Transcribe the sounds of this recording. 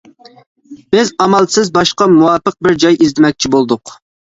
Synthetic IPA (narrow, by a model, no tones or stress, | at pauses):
b̥ɪzɑmɑlˠsɪzbɑʃqɑmuwɑːpəq̚bɪɾd͡ʒɑjizd̪ɪmɛk̚ʲt͡ʃʰibolˠd̪ʊq